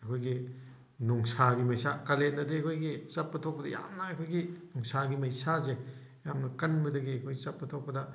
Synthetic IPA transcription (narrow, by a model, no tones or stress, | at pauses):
ɐkʰojɡi | nuŋsaɡimɐjsakɐlendɐdeɐkʰojɡisɐpːɐtʰok̚pɐdɐja̰mnɐɐkʰojɡinuŋsaɡimɐjsazejamnɐkɐnbɐdɐɡiɐkʰojɡizɐpːɐtʰok̚pːɐdɐ